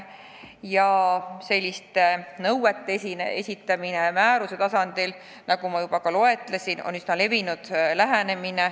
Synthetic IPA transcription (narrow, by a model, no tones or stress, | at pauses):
jɑse̞lʲːist̪enɤwwet̪ːeinesʲit̪ːˑɑminemæːɾuse̞t̪ɑsɑnd̪̥il | nɑɡumɑjub̥ɑkɑlo̞e̞t̪ˑlesino̞̰nsinɑle̞vinud̪̥læɦene̞mine̞